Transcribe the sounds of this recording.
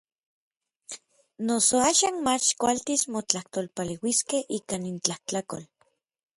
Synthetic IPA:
nosoaːʃaːnmat͡ʃkʷalt̪ismot͡ɬaht̪olpalewiskehʔikanint͡ɬaht͡ɬako̰l

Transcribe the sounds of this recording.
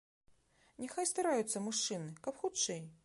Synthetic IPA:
nʲɛxajst̪aɾajut̪sːɐmuʂt͡ʂɨnɨkɐpxut̪t͡ʂɛj

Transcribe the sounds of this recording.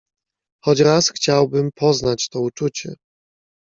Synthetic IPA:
xɔd͡ʑɾasxt͡ɕawbɘmpʰɔznat͡ɕt̪ɔut͡ʂut͡ɕɛ̰

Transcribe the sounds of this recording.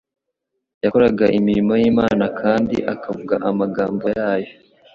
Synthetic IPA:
jakoɾaɡaʔimiɾimojiːmaːnakʰaːndḭʔakʰavuɡa̰ʔamaɡaːmbojaːjo

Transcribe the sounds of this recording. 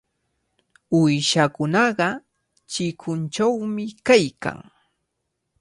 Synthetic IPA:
ʊjʃakʊnɑɢɑ | t͡ʃɪkʰʊnt͡ʃawmɪkajka̰ŋ

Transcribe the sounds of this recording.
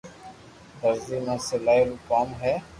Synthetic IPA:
t̪əɾziːmãːselaːjluːkaːmɦɛː

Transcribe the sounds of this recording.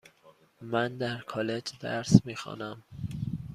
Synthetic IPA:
mænd̪æɾkʰɒːled͡ʒd̪æ̰ɾsmiːxɒ̰ːnæm

